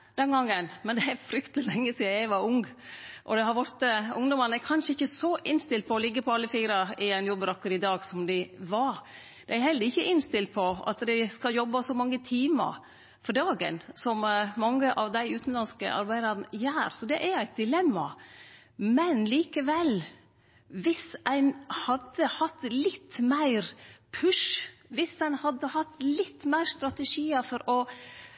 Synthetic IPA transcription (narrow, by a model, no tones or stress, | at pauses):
d̪̥ɛnɡɑŋːənmɛnd̪ɛæɾfɾʏkt̪lɪlɛŋːəsiːæɪʋɑɾʊŋʔɔd̪ɛɦɑɾʋɔɾt̪əʊŋd̪ɔmɑnækʰɑnʂəɪçːəsɔʔɪnst̪ɪlt̪̚pʰɔːlɪɡːəpʰɔɑlːəfiːɾɑɪɛɪnjɔbːɾɔkːəɾɪd̪ɑːɡsɔmd̪ɪɪʋɑɾ | d̪̥ɛæɾhɛlːəɾɪçːəʔɪnst̪ɪlt̪̚pʰɔɑ̰t̪d̪æɪskɑljɔbːɑsɔmɑŋːət̪ʰiːmə̰ɾ | fɔɖɑːɡə̰nsɔmmɑŋːəʔɑʋd̪æɪʉːt̪n̩lɑnskə̰ʔɑ̰ɾbæɪd̪əɾənəjæːɾsɔd̪ɛʔæɾæɪt̪̚d̪ɪlɛmːɑ | mɛnliːkəʋɛl | ʋɪsæɪnhɑd̪ːəhɑt̪ːlɪt̪ːmæɪɾpʰʉʂʋɪsæɪnhɑd̪ːəhɑt̪ːlɪt̪ːmæɪɾst̪ɾɑt̪əʂiːəfɔɾɔ